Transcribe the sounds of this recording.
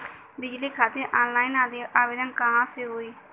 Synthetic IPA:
bɪd͡ʒliːkʰaːt̪eɾʔaːnlaːinaːd̪eaːbeːd̪ənkəɦãːseɦoːiː

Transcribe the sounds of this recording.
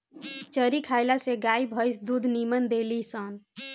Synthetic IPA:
t͡ʃəɾikʰajlaseɡaibʱəjsd̪ud̪ʱnimənd̪elisən

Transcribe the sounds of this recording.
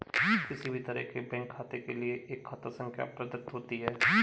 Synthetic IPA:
kɪsibʱit̪ɐɾəɦkebɛ̃ːŋkʰːaːt̪ekelieʔeːkʰːaːt̪əsə̃ŋkʰja̰pɾɐd̪ət̪ɦoːt̪iɦɛː

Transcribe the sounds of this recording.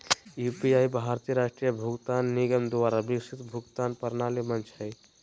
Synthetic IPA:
jupiaːjbʱaɾt̪ijəɾaːʃʈɾijəbʱʊɡt̪aːnːiɡəmd̪ʋaːɾabiksʰit̪bʱʊɡt̪aːnpɐɾnaːlimənt͡ʃʰɦəj

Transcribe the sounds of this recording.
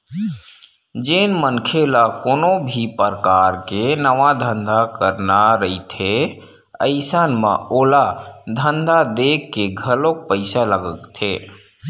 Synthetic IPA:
d͡ʒeːnmənkʰelakoːnobʱipəɾkaːɾkenəʋad̪ʱə̃nd̪ʱakəɾnaɾəit̪ʰe | əɪsanmã̰oːlad̪ʱənd̪ʱad̪eːkːeɡʱəlok̚pəɪsaləɡəkt̪ʰeː

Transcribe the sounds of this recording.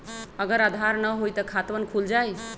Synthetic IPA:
əɡəɾad̪ʱaɾnəɦojt̪əkʰat̪ʋənkʰuld͡ʒaj

